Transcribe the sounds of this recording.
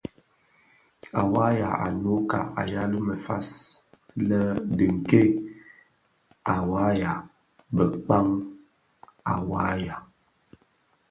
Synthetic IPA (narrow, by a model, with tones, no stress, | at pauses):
a˨wa˦ja˨ʔa̰˨no˨˦ka̰˨a˨ja˦lu˦mə˨fa̰˦s | lə˦dɨ˨ŋ̩˨ke˦ | a˨wa˨˦ja˨ | bə˨k͡pa˦ŋ | a˨wa˨˦ja˨